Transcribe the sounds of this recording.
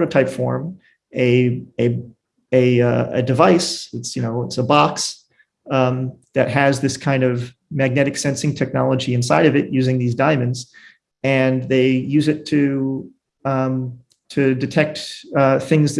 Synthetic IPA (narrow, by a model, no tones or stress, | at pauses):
ɾɨʊtʰaɪpfɔ̰ɹm | ɨɨ | ɨʌɨ̰dɨvaɪsɨtsjɨñoʊɨtsəbɑks | ðɨt̚ɦɨzðɪskʰãɪ̃ndʌv | mæɡ̚nɛɾɨksɛ̃nsɪ̃ŋtʰɛk̚nɑlˠəd͡ʒiɨ̃nsaɪɾʌvɨʔ̚jʉzɪ̃ŋðizdãɪ̃mɨ̃ndz | ɨ̃nðeɪjʉzɨtʰɨ | tʰɨdɨtʰɛk̚t̚ʌθɪ̃ŋzð